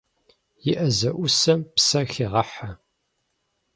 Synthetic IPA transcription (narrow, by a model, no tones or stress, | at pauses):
jɪʔɐzɐʔʊsɐmpsɐxiʁɐħa